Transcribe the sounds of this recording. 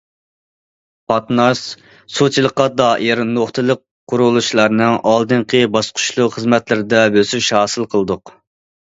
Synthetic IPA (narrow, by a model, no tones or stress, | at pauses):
pʰɑt̪nɑʃ | sut͡ʃʰilˠəqːɑd̪ɑːʔiɾnoχt̪ʰɨlˠəqː | ʊɾulˠuʃlˠɑɾnɨŋʔɑlˠd̪ɨŋqʰəbɑsqʰʊ̥ʃlˠuχəzmɛt̪lɪɾɪd̪ɛbøsyʃhɑːsɨlˠqʰəlˠɨd̪ʊq